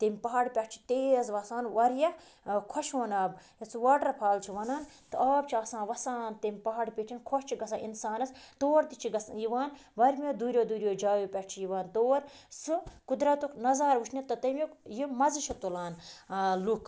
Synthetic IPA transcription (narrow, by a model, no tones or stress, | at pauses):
t̪ɐmʲpɐɦaːɽpʲɐʈ̚t͡ʃʰi̥t̪eːzʋɐsaːnʋɐɾjɐ | kʰoʃoːnɐːbjɐt͡sʰɨʋaːʈɐɾpʰaːlt͡ʃʰiʋɐnaːnt̪ɨaːb̚t͡ʃʰiaːsãːnʋɐsaːnt̪ɐmʲpɐɦaɽpʲeːʈʰinkʰoʃt͡ʃʰiɡɐs̬ãːinsaːnɐst̪oːɾt̪it͡ʃʰiɡɐsjiʋaːnʋɐɾmʲed̪uːɾʲjod̪uːɾʲjoːd͡ʒaːjopʲɐʈ̚ʰt͡ʃʰijiʋaːnt̪oːɾsɨkud̪ɾɐt̪uknɐzaːɾʋuʃʰnʲet̪ɐt̪ɐmʲokjimɐziʃʰɐt̪olaːnlukʰ